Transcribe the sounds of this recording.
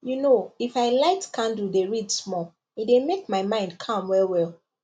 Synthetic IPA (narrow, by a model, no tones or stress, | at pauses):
junoifaɪlaɪtkʰãndl̩deɹidsmɔ | idemek̚maɪmãɪ̃ndkʰʌ̃mwɛlwɛlˠ